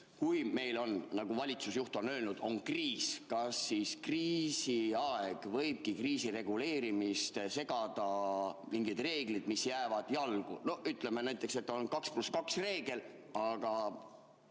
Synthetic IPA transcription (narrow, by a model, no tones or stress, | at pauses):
kujme̞jlo̞nnɑɡ̥uvɑlʲit̪susjuht̪o̞nø̞ːlnud̪̥o̞nkriːskɑsːiːskriːsiɑeɡ̥vɤjb̥̚kikriːsire̞ɡ̥ule̞ːɾimist̪se̞ɡ̥ɑd̪̥ɑmiŋɡid̪̥re̞ːɡ̥lid̪̥misjæːvɑd̪̥jɑlɡ̥ṵno̞yt̪ˑle̞menæjt̪ˑːe̞kse̞t̪ːo̞nkɑkspluskɑksre̞ːɡ̥e̞l | ɑɡ̥ɑ